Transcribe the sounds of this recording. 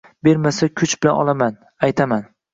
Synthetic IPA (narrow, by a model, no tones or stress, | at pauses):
be̞ɾmasakʰʊt͡ʃbɪlanɒ̰lˠaman | ajt̪ʰaman